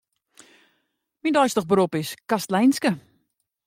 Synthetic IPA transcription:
mindɔjstəχbəɾupɪskastəlɛjnskə

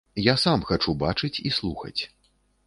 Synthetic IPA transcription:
jasamxat͡ʂubat͡ʂɨt͡sʲislˠuxɐ̰t͡sʲ

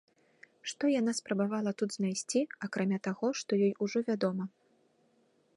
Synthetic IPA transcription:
ʂt̪ɔjan̪aspɾɐbavalˠɐt̪ud̪znajsʲt͡sʲiakɾamʲat̪aɣɔʂt̪ɔjɔjuʐɔvʲad̪ɔmɐ

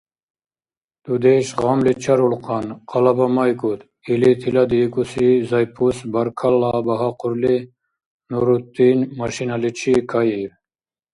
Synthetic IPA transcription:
d̪̥ud̪eʃʁɑmlit͡ʃʰaɾulqʰɑnqʰɑlɑbɑmɑjkut̪ | ilit̪ʰilad̪ikusizajpʰusbɐɾkʰalːabɐɦaqʊɾli | nuɾut̪ːinmaʃinalit͡ʃʰikʰajiɾ

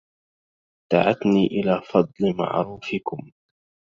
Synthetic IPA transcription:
d̪̥a̰ʕat̪niːʔɪlaːfɑd̪ˤlɪma̰ʕɾuːfɪkʊm

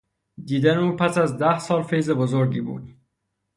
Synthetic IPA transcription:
d̪iːd̪æneuːpʰæsæzd̪æhsɒːlfejze̞bozoɾɟiːbṵːd̪̥

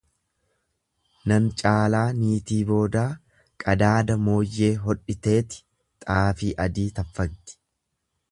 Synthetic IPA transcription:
nɐnt͡ʃʼaːlaːniːt̪iːbo̞ːd̪aː | kʼɐd̪aːd̪ɐmo̞ːjːe̞ːɦɔᶑːɪt̪e̞ːt̪ɪ̥ | t̪ʼaːfiːʔɐd̪iːt̪ɐfːɐɡ̚t̪ɪ̥

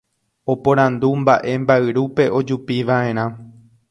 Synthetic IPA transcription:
o̞põɾ̃ãnd̪umbaʔe̞mbaɨɾupe̞ʔo̞d͡ʒupiʋaʔẽ̞ɾ̃ã

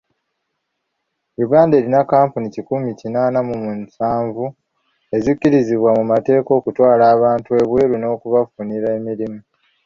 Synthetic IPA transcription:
iβaːnde̞ːɾinakaːmpunicikumicinaːnamumunsaːɱvu | e̞zucːiɾiziβwamumate̞ːko̞ːkutwaːlaːβaːntue̞βwe̞ːɾuno̞ːkuβafuniɾaemiɾimu

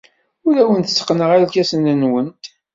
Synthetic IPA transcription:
ʊɾæwənt̪ə̥t͡sːə̥qːnəʁælkæsənənwənt̪

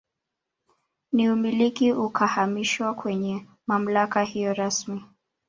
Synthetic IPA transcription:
niumilikiukʰahamiʃwakwɛɲɛ | mam̩lakahijɔɾasmi

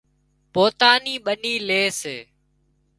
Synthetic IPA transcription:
poːt̪aːniːɓəniːleːseː

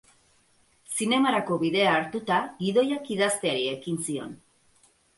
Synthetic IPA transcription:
sine̞maɾako̞βiðe̞aːɾt̪ut̪aɡiðo̞jakiðast̪e̞aɾie̞kinsio̞̰n

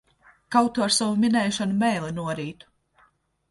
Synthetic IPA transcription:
kawt̪uɾsavuminɛjʃanumɛjlˠɛnuɔɾiːt̪u̥

